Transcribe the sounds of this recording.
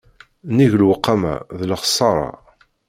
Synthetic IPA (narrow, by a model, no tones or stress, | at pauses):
niʝlwəqːamæ̰ðləχə̥sˤːɑɾˤɑ̰